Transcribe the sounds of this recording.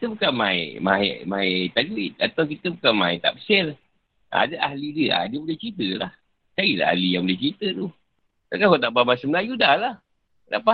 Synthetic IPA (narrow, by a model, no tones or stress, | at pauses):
kit̪əbukanmaeɪ̰ʔmaɪ̰ʔmaɪt̪aʔduɪt̪̚a̰t̪awk̬it̪əbukanmaɪt̪a̰ʔpə̥sɛl | a̰daʔahlidiəa̰dəbudɛht͡ʃit̪əlah | t͡ʃaɡiʔla̰ʔa̰lijabulɛt͡ʃit̪ət̪u | t̪akakɔt̪aʔbabasəməlajudahlah | da̰ʔpa